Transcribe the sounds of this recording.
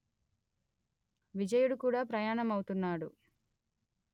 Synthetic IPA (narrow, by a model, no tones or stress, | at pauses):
ʋid͡ʒɐjuɽukuːɽaːpɾɐjaːɳɐmɐwt̪unːaːɽu